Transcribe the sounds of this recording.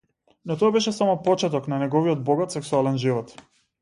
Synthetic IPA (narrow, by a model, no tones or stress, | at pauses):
nɔt̪ɔabɛʃɛsamɔpɔt͡ʃɛt̪ɔknanɛɡɔviɔd̪̚bɔɡat̪sɛksualɛnʒivɔt̪